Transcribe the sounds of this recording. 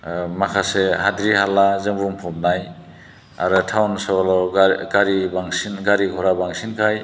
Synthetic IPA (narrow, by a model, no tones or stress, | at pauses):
makʰaseɦadɾiɦalazɯŋbumpʰɔmnaj | aɾɯtʰawnsɔlɔɡaɾibaŋsinɡaɾikʰɔɾabaŋsinkʰaj